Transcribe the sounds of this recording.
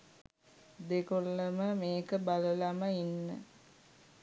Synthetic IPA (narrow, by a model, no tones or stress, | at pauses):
d̪ekolːəməmeːkəbaləlaməinːə̰